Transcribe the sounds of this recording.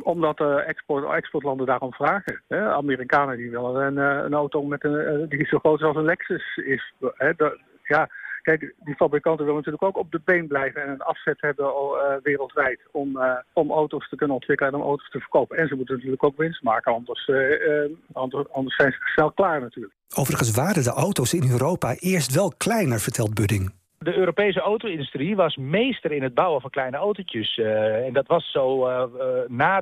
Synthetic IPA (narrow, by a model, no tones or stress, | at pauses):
ɔmdɑtɛkspɔtɛkspɔɹtlɑndədaːrɔmv̥raːχəɦɛa̰miːrikaːnədiʋɪlˠənənə̰nowtomɛtədissoχrowtɪsɑlˠs̬ənlɛksəsɪsɦɛd | jaːkɛjkdifabrikɑntəʋɪlˠənatyːɹləkowkɔb̚dəbejnblɛjvənɛnənɑfsɛtɦɛbəʋɪːrəlˠtʋɛjtɔmɔmowtostəkɵnənɔntʋɪkələɛnɔmo̰wtostəvəɹkowpənɛnzəmutənatyːɹləkowkʋɪnstmaːkənɑndəs | ɑndəɹsɛjnzəsnɛlˠklaːɹnatyːɹləkowvərəχəns̬ʋaːɾəndəʔowtowsɪnøːɾowpaʔɪːɹstʋɛlˠklɛjnəɹv̥əɹtɛlˠd̚bødɪŋ | dəøːɾopejs̬əowtowɪndystriʋɑsmejstərɪnɦəd̚bawəvɑnklɛjnəowtocəsɛndɑtʋɑsːow | naː